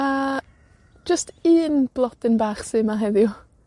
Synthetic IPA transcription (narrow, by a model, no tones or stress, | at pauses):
ḁ | d͡ʒəstiːnb̥lˠɔdɪnbaːχsɨmaɦɛðjʊ